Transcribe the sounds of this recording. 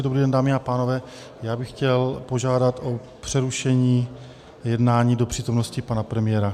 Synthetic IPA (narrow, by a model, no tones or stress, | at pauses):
dobɾiːdɛndaːmɪapaːno̞vɛː | jaːbɪxxcɛlpo̞ʒaːdat̪ʔo̞ | pr̥ɛɾuʃɛɲiː | jɛdnaːɲiːdo̞pr̥iːt̪o̞mno̞scɪpanapɾɛmɪjɛɾa